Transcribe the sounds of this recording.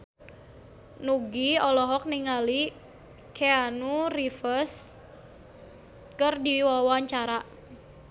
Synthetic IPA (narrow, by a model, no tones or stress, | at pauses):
nuɡiɔlɔɦɔk̚niŋali | kʰeanurifərs | kərdiwawaɲt͡ʃaɾa